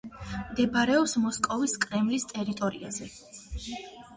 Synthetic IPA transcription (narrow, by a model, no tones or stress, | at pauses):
md̪ɛbaɾɛɔpsmɔskʼɔviskʼɾɛmlist̪ʼɛɾit̪ʼɔɾḭa̰zɛ